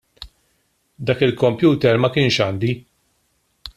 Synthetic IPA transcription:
d̪ɐːkɪlkɔmpjuːt̪ɛɾmɐkɪːnʃɐːnd̪i

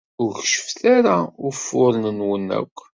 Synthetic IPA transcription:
ʊɾçʃə̥fθaɾaʊɾfʊɾnənwənːæ̰kʷː

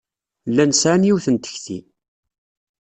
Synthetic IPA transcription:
lːænsʕanjiwθənt̪ə̥çθḭ

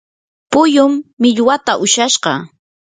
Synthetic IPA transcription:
pʊjʊmːɪʎwat̪aʔʊʃaʃɢɑ

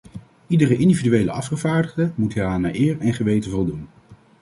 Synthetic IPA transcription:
idərəʔɪndividyʋejlə̰ʔɑfχəvaːɹdəχdəmutːaːnaːʔɪːɹɛnχəʋejtənvɔlˠdun

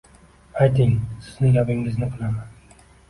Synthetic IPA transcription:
ajt̪ɪŋsɪznɪjapɪŋɪznɪqʰɨlaman

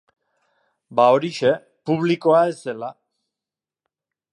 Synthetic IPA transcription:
bao̞ɾiʃe̞ | puβ̞liko̞ae̞se̞la

